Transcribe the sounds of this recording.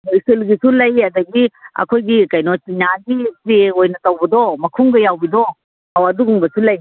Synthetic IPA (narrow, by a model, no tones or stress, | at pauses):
nojselɡisulɐjadɐɡiɐ̰kʰojɡikɐjnɔt͡ʃinaɡipɾeojnɐtɐwbɐdɔmɐkʰuŋɡɐjawbidɔ | hawɐduɡuŋbɐsulɐj